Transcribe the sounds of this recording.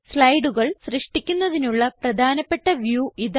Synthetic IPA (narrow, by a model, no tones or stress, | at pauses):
slɐjɖuɣɐɭɕrɨʂʈikʲːunːɐðinuɭːɐprɐd̪ʱaːnɐpːeʈːɐʋjuːið